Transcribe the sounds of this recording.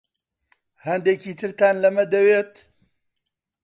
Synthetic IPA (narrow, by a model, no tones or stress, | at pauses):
hɐnd̪ekiːt̪ʰɨɾt̪aːnlɐmɐd̪ɐweːt̪